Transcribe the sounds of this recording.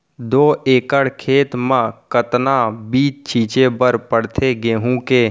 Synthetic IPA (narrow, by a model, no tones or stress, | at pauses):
d̪oːeːkəɽkʰeːt̪mãkət̪nabiːt͡ʃt͡ʃʰiːt͡ʃebəɾpəɽt̪ʰeɡeːɦũkeː